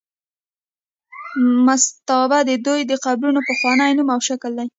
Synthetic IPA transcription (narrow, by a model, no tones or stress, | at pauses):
mast̪awbad̪əd̪ujd̪əqabɾunopəxwɑnajnumawʃakld̪aj